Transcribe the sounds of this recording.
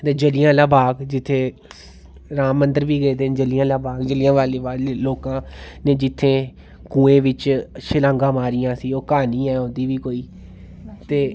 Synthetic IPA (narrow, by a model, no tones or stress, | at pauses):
t̪eːd͡ʒəlɪjãːlaːbaːɡd͡ʒɪt̪ʰːeː | ɾaːmːənd̪əɾʋiːɡeːd̪eːnd͡ʒəlɪjãːlaːbaːɡd͡ʒəlɪãːʋaːleːʋaːleːloːkãːnẽːd͡ʒɪt̪ʰːẽː | kũːẽːʋɪt͡ʃʃəlãːŋɡãːmaːɾɪjãːsiːoːkaːniːɛːõːd̪iːʋiːkoːiː | t̪eː